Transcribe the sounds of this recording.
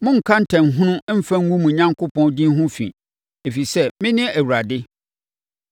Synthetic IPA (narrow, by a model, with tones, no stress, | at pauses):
mʊ̃˦ŋ̩˨kʰã˦n̩˦tʰaɛ̃˨n̩˨ɦʊ̃˦nʊ̃˦m̩˦fã˦ŋ˦wũ˦mũ˨ɲã˦ŋkʰʊ˦pʰɔ̃˦ndĩ˦n˦ɦʊ̃˦fḭ̃˨ | e˨fi˨sɛ˦mɪ̃˦nɪ̃˦ʔæ˨wu˨ɾa˨dɪ˦